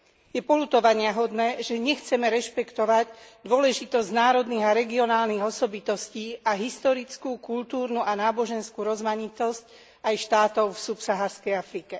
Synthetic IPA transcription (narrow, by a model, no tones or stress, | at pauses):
jɛpɔlut̪ɔʋaɲɪaɦɔd̪nɛːʒɛɲɛxt͡sɛmɛɾɛʃpɛkt̪ɔʋaɟd̪ʊɔlɛʒit̪ɔzɟnaːɾɔd̪niɣaɾɛɡiɔnaːlniɣɔsɔbit̪ɔsciːʔaɦist̪ɔɾit͡skukult̪uːɾnuʔanaːbɔʒɛnskuɾɔzmaɲit̪ɔsc | ajʃt̪aːt̪ɔʊfsupsaɦaɾskɛjafɾikɛ